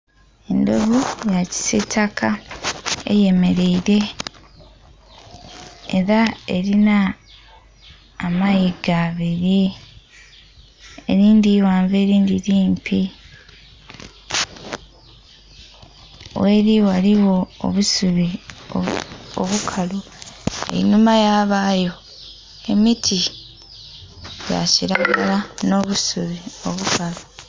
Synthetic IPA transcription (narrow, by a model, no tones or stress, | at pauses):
e̞ndoβujaci̥setʰakʰa | e̞̰je̞me̞ɾe̞iɾe̞ | eɾae̞ɾina | majiɡaβiɾi | eɾiːndiwaːɱve̞ːɾiːndiɾiːmpʰi | we̞ːɾiwaliwo̞̰ːβusuβi | o̰βukʰalu | ḛnumajaːβaːjo̞ | e̞mitʰi | ja̰ciɾaːɡalano̞ːβusuβio̞βukʰalu